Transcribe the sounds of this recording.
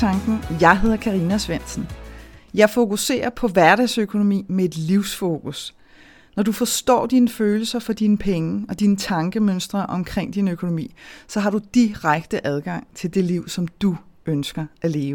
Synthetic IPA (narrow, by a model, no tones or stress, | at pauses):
ɑ̈ŋɡ̥n̩jɑ̈ɪɦe̝ð̞̰ˠɐkʰɑ̈ʁiːnæsʋen̰sn̩jɑ̈ɪfo̝kʰuse̝̰ːɐpʰɒ̽ʋæɐɾɛsøkʰo̝no̝mḭːmee̝d̥liʊ̰sfo̝kʰus | nɒdufɒ̽sd̥ɒ̰ːd̥inəføːl̩sɐfɒ̽d̥inəpʰeŋəɒ̽d̥inət͡sʰɑ̈ŋɡ̥əmønsd̥ʁɐʔɒ̽mkʰʁeŋ̰d̥inøkʰo̝no̝mḭːsɒ̽ɦɑ̈ɾ̥ud̥iʁaɡ̥d̥əʔæð̞ˠɡ̥ɑ̈ŋ̰t͡sʰe̝ld̥e̝liʊ̰sɒ̽md̥uønsɡ̥ɐæle̝ːʊə